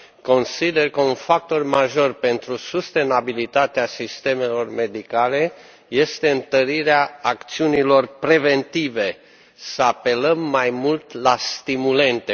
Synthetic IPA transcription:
ko̞nsid̪e̞rkəunfak̚t̪o̞rmaʒo̞rpe̞nt̪ɾusust̪e̞nabilit̪at̪easist̪e̞me̞lo̞rme̞d̪ikale̞ | je̞st̪e̞ɨnt̪əɾiɾeaːkt̪siunilo̞rpɾe̞ve̞nt̪ive̞ | səape̞ləmːajmult̪last̪imule̞nt̪e

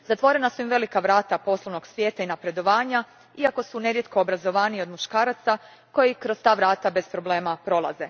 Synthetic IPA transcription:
zat̪ʋo̞ɾe̞nasuimʋe̞likaʋɾaːt̪apo̞slˠoʋno̞ɡsʋʲje̞ːt̪ainapɾe̞d̪o̞ʋaːɲa | iako̞sune̞ɾje̞t̪̚koːbɾazo̞ʋaːnio̞d̪muʃkaːɾat̪sa | ko̞jikɾo̞st̪aːʋɾaːt̪abe̞spɾo̞bleːmapɾo̞lˠa̰ze̞

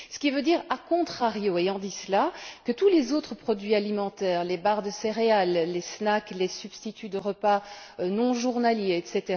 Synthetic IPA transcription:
sə̥kʲivød̪iːʁakɔ̃t̪χaʁjoeɑ̃d̪islakət̪ulezot̪χəpχɔd̪ɥialimɑ̃t̪ɛːʁlebaʁd̪əseʁealːesnaklesybst̪it̪ʰyd̪əʁəpaønɔ̃ʒuʁnaljeɛt̪set̪e

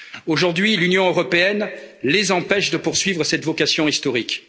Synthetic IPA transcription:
oʒuʁd̪ɥilynjɔ̃øʁɔpeɛnlezɑ̃pɛʃd̪əpuʁsɥivʁəsɛt̪vɔkasjɔ̃ist̪ɔʁik

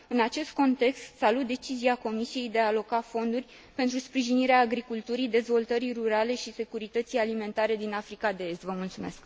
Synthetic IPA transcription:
ɨnat͡ʃe̞st̪̚ko̞nt̪e̞kst̪salut̪̚d̪e̞t͡ʃiziako̞misije̞jd̪e̞aːlo̞kafo̞nd̪urʲ | pent̪ɾuspɾiʒiniɾeaːɡɾikult̪uɾid̪e̞zvo̞lt̪əɾiruɾale̞ʃise̞kuɾit̪ət̪sijalime̞nt̪aɾe̞d̪inafɾikad̪e̞e̞st̪vəmult̪sume̞sk

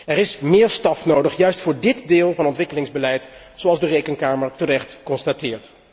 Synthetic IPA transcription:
ɛɾɪsmɪːɹstɑfnowdəχjœɥstfʊːɹdɪtdɪːlˠvɑnɔntʋɪkəlɪŋzbəlɛjt | sowɑlˠzdərejkənkaːməɹtərɛχtkɔnstatɪːɹt

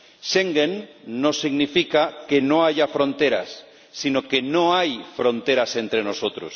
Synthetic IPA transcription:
ʃeŋɡẽnːõsiɣnifikakenõaʝafɾõnt̪eɾa̰sː | inokenõajfɾõnt̪eɾasent̪ɾenosot̪ɾos

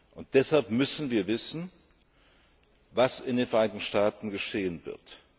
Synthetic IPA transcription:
ʔʊnt̚d̥ɛshalpmʏsn̩viːɐvɪsn̩ | vasɪndeːnfɛɐʔaɪnɪçtn̩ʃtaːtn̩ɡəʃeːənvɪ̰ɐt

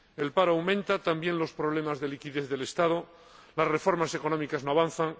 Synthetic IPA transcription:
e̞lpaɾoawmẽnt̪at̪ambjẽ̞nlo̞spɾo̞β̞le̞mazðe̞likiðe̞θðe̞le̞st̪að̞o | lasre̞fo̞ɾmase̞ko̞nomikaznoaβanθaŋ

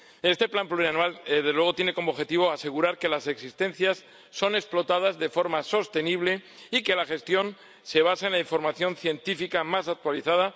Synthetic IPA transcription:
e̞st̪e̞plampluɾianwalðezlwe̞ɣ̞o̞t̪jene̞ko̞moβxet̪iβ̞oase̞ɣ̞uɾaɾke̞lase̞ksist̪e̞n̟θjasː | o̞ne̞ksplo̞t̪að̞azðe̞fo̞ɾmaso̞st̪e̞niβ̞le̞ | ike̞laxe̞st̪jo̞n | se̞βasaenlaiɱfo̞ɾmaθjo̞nθje̞nt̪ifikamasak̚t̪waliθaða

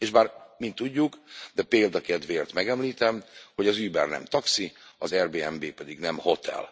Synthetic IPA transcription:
eːʃbaːrmint̪ːuɟːukd̪ɛpeːld̪ɒkɛd̪ʋeːrt̪mɛɡɛmliːt̪ɛmho̞ɟɒzyːbɛːrnɛ̰mt̪ɒksiɒzɛrbeːɛmbeːpɛd̪iɡnɛmho̞t̪ʰɛ̰l

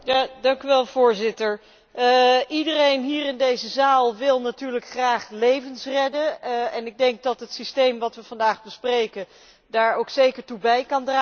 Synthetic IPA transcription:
jadɑŋkyʋɛlˠv̥ʊːɹzɪtəɹ | ʔidərejnɦiːrɪndejzəzaːlˠʋɪlˠnatyːɹləkχraːχlejvənsrɛdəɛnɪɡ̚dɛŋk̚dɑtɦətsistejmʋɑtʋəvɑndaːχbəsprejkə | daːɹowksejkəɹtubɛjkɑndra

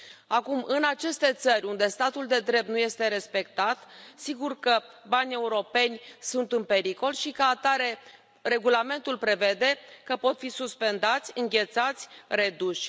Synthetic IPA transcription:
akumɨnat͡ʃe̞st̪e̞t̪sərʲund̪e̞st̪at̪uld̪e̞d̪ɾe̞p̚t̪nuje̞st̪e̞ɾe̞spe̞kt̪at̪siɡurkəbanʲe̞uɾo̞pe̞nʲsunt̪ɨnpe̞ɾiko̞lʃikəat̪aɾe̞ | re̞ɡulame̞nt̪ulpɾe̞ve̞d̪e̞kəpo̞t̪fisuspe̞nd̪at̪sʲɨŋɡʲe̞t̪sat̪sʲre̞d̪uʃʲ

